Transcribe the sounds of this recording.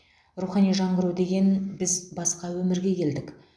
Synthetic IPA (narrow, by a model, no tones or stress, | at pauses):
ruχɑnijʒɑɴʁəɾud̪e̞ɡʲe̞nbɪzbɑsqɑwɵmɪɾɡʲe̞kʲʰe̞ld̪ɪk